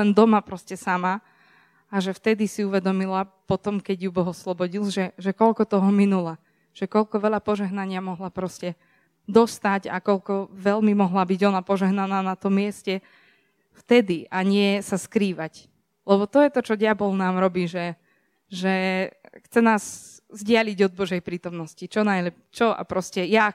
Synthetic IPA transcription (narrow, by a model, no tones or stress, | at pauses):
lɛnd̪ɔmapɾɔscɛsama | aʒɛft̪ɛd̪isiuʋɛd̪ɔmilapɔt̪ɔmkɛɟjubɔɦɔslɔbɔɟilˠʒɛʒɛkɔʎkɔt̪ɔɦɔminula | ʒ̥ɛkɔʎkɔʋɛʎapɔʒɛɦnaɲɪamɔɦlapɾɔscɛ | d̪ɔst̪aɟa̰kɔʎkɔʋɛlmimɔɦlabiɟɔnapɔʒɛɦnanaːnat̪ɔmːɪɛscɛ | ft̪ɛd̪iaɲɪɛsaskɾiːʋac | lɛbɔt̪ɔjɛt̪ɔt͡ʃɔɟɪabɔlnaːmɾɔbiːʒɛ | ʒɛxt͡sɛnaːz | zɟɪaliɟɔd̪̚bɔʒɛjpɾiːt̪ɔmnɔscit͡ʃɔnajlɛpt͡ʃɔa̰pɾɔscɛja